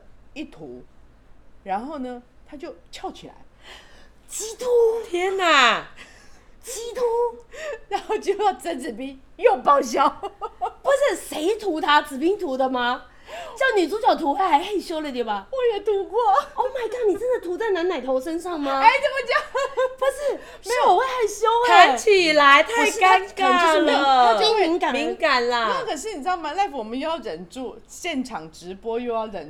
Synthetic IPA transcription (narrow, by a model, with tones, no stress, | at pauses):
i˥˩t̪ʰṵ˧˥ | ɻa˧˥nxo˥˩ʊnə˩t̪ʰa˥t͡ɕjo˥˧˩ʊt͡ɕʰjɑ˥˩ʊt͡ɕʰi˨˩la̰˧˥˦ɪ | t͡ɕi˥t̪ʰu˥t̪ʰjɛ˥na˨˩ | t͡ɕi˥t̪ʰu˥ɻa˨˧˥nxo˥˧ʊt͡ɕjo˥˧ʊjɑ˥˧˩ʊt͡sə˧˥t͡sɹ̩˨˩pi˥ŋ | jo˥˧ʊpɑ˥˧ʊɕ̬jɑ˥˩ʊpu˧˥ʂɻ̩˥˩ʂe˧˥ɪt̪ʰu˧˥t̪ʰa˥t͡sɹ̩˨˩pi˥ŋt̪ʰu˧˥d̪ə˧ma˧ | t͡ɕjɑ˥˩ʊni˨˩t͡su˧˥t͡ɕjɑ˨˩ʊt̪ʰu˧˥xa˧˥ɪxa˧˥ɪxe˥˩ɪɕjo˥ʊlə˨˧t̪we˥˩ba˨˩wɔ˧˦jɛ˨˩t̪ʰu˧˥kwɔ˥˩ɔ˥˩ma˥˩ɪka˥˩nni˨˩t͡sə˥nd̪ə˨˩t̪ʰu˧˥t͡sa˥˧ɪna˧˥na˨˩ɪt̪ʰo˧˥ʊʂə˥nʂɑ˥˩ŋmɐ˩e˥˩ɪt͡sə˥˧˩mə˧˩t͡ɕjɑ˥˧˩pu˧˥ʂɻ̩˥˩ | ʂme˧˥ɔ˨˩we˥˩xa˥˩ɪɕjo˥ʊda˧˦t͡ɕʰi˨˩la˧˥ɪt̪ʰa˨˧ɪʂ̩˥aa˥nka˥˩˥ʂ̩˥˩˧a˥t͡ɕo˥˧˥mi˧˥ŋka˨˩mi˧˥ŋka˨˩nlɐ˧a˥˩kʰə˨˩ʂ̬ɻ̩˥˩ni˨˩ɑ˥˧ma˧la˥˩ɪfwɔ˨˩mə˦jjɑ˥˧˩ʊɻə˨˩nʈ͡ʂu˥˩ | ɕjɛ˥˩nʈ͡ʂʰɑ˨˩ŋʈ͡ʂɻ̩˧˥pwɔ˥jo˥˧jɑ˥˩ʊʈ͡ʂə˨˩n